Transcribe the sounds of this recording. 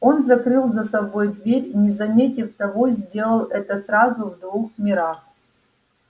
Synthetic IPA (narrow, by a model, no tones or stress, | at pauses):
o̞nzɐkrɨlˠzɐsɐbo̞jd̪vʲeɾʲinʲɪzɐmʲetʲɪft̪ɐvo̞zʲdʲelˠəlˠɛt̪əsrazʊvd̪vuxmʲɪɾax